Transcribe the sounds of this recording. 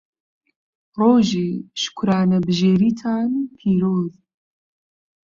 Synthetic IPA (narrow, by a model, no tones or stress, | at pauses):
roːʒiːʃkʷʰɾaːnɐbʒeːɾiːtʰaːnpʰiːɾoːð